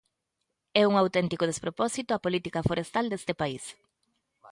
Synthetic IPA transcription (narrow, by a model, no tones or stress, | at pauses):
ɛuŋawt̪ɛnt̪ikoð̞espɾopɔsit̪ʊapolit̪ikɐfoɾest̪ald̪est̪ɪpais